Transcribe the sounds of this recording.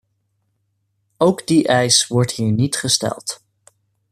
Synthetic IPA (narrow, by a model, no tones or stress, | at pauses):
owɡdiʔɛjsʋɔɹtɦiːɹnitχəstɛ̰lˠt